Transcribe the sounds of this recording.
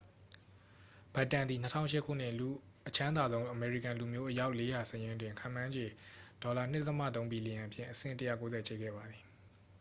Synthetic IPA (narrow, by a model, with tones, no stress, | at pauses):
b̥a˨tːã˨nd̪i˨n̥ə˦tʰã̰˦ʊ̃ʃɪ˦˨kʰṵ˦˨n̥ɪ̰˦˨lu˨ | ʔət͡ɕʰã˦nd̪a˨zõ˦ʊ̃ʔəmɛ˨ɹḭ˦˨kã˨lu˨mjo˦ʔəja˦ʊʔle˦ja˨səjɪ̃˦ndwɪ̃˨ŋkʰã̰˦˨mã˦ɲd͡ʑe˨d̥ɔ˨la˨n̥ɪ˦tət̪əmä̰˦˨t̪̬õ˦ʊ̃mbi˨li˨jã˨ʔəpʰjɪ̃˦˨ʔəsɪ̰̃˦˨ntəjä̰˦˨ko˦zɛ˨t͡ɕḛ˦˨ɡɛ̰˦˨ba˨d̪ði˨